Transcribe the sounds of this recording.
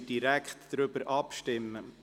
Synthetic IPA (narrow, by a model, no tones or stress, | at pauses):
d̥iɾɛkχtd̥ɾʏbəɾʔɑpʃtɪmːə